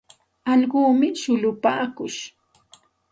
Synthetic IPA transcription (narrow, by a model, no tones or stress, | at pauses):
ɑʎɢuːmɪʃʊlʊpaːkʊʃ